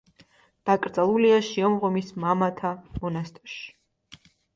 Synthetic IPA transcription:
d̪̥akʼɾd̪zʼalˠuliaʃiɔmʁɔmismamat̪ʰamɔnast̪ʼʃi̥

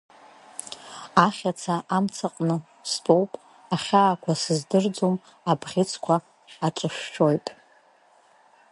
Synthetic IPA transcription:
aχʲat͡sʰaʔamt͡sʰaqʼnɨ | stʼo̞wpʼ | aχʲaːkʷʰasɨzdɨrd͡zom | abʁʲɪt͡sʰkʷʰaː | ʈ͡ʂʷʼɨʃᶣːo̞jtʼ

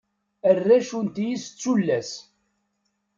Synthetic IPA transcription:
ərːæʃunt̪jist͡sːulːæs

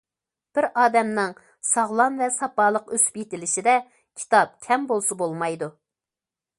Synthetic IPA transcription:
b̥ɪɾɑːd̪ɛmnɪŋ | sɑʁlˠɑnvɛsɑpɑːlˠəqøspjet̪ɪlɪʃid̪ɛ | kʲʰi̥t̪ɑp̚kʲʰɛmbolˠsɨbolˠmɑjd̪u

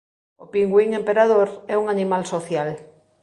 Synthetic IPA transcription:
opiŋɡwiŋempeɾað̞oɾɛuŋanimalsoθjal

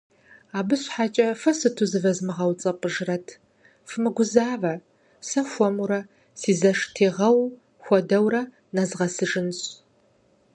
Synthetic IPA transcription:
aːbɨɕʼħaːt͡ʃʼɐfɐsɨtʰuzɨvɐzmɨʁɐwt͡sʼɐpʼəʒrɐtʰ | fɨmɨɡʷʊzaːvɐ | sɐxʷɔmuɾɐ | siːzɐʂtʰeːʁɐw | xʷɔdɐwrɐ | nazʁɐsɨʒɨnɕʼ

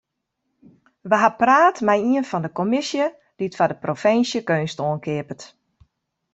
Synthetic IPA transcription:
ʋəɦapraːtmɛjiənfɔndəkomɪsjə | d̥iətfadəprofɪnsjəkøːnstoənkʰɪəpət

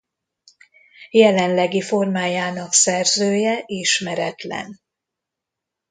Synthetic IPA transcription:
jɛlɛnlɛɡifo̞rmaːjaːnɒksɛrzøːjɛʔiʃmɛɾɛt̪lɛ̰n

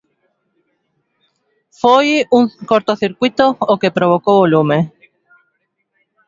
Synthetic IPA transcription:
fojuŋkoɾt̪oθiɾkwit̪ookepɾoβokoβolume

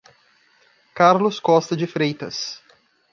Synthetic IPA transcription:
kaɾlʊskɔst̪ɐd͡ʒɪfɾejt̪ɐs

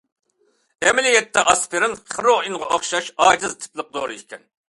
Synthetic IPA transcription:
ɛmɪlijɛt̪ʰːɛʔɑspʰɪɾɨnχəɾoinʁɑʔoχʃɑʃɑːd͡ʒ̪ɨzt̪ʰɪ̥plˠɨq̚d̪oːɾɨikʲʰɛn

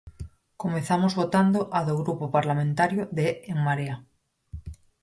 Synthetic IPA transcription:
komeθamozβot̪and̪oʔaðoɣɾupopaɾlamẽnt̪aɾjoðeːŋmaɾea

